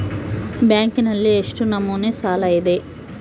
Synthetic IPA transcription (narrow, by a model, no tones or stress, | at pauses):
bjaːŋkinɐlːieʂʈunɐmːuːneːsaːlɐjid̪e